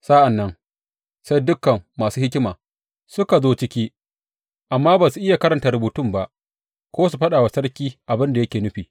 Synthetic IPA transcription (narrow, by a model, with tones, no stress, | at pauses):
sa˦ʔa˨nːɐ˦ŋ | sa˦jdʊ˦kːɐ˨mːaː˨suː˦hɪ˦kʲɪ˦maː˨ | sʊ˦ka˨zoː˦t͡ʃɪ˦kʲiː˦ | ʔa˨mːaː˦ba˨su˨ʔɪ˦ja˨kɐ˦ɾɐ˨nta˨rɾʊ˨buː˨tʊ˦˨mba˦ʔ | kʷoː˦s̬u˨ɸɐ˦ɗaː˨wa˨sɐ˦ɽkʲiː˦ʔa˨bɪ˦nda˨jɐ˦kʲeː˨nʊ˦ɸiː˨